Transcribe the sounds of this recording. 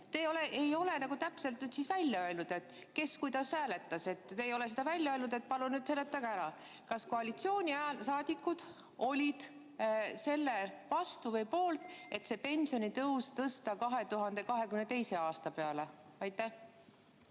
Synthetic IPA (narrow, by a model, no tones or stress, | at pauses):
t̪eo̞leʔejo̞le̞nɑɡ̥ut̪æpse̞lt̪nyːd̪̥sisvælʲːjɑøelnud̪̥e̞t̪ˑ | ke̞skujd̪ɑsːæːle̞t̪ːˑɑse̞t̪ːejo̞le̞sed̪̥ɑvælʲjɑønud̪e̞t̪̚pɑlunyːd̪̥selːet̪ːˑɑɡɑæɾɑ | kɑsko̞ɑlit̪sio̞ːnʲiæsɑːd̪̥ikːˑud̪̥ | o̞lʲid̪̥ | se̞lːe̞vɑst̪uvɤjpo̞ːlt̪ˑe̞t̪se̞pe̞nsio̞nit̪ɤwst̪ɤst̪ɑkɑɦe̞t̪uɦɑnd̪e̞kɑɦe̞kymnet̪e̞jse̞ɑːst̪ɑpe̞ɑle̞ɑjt̪ːˑæh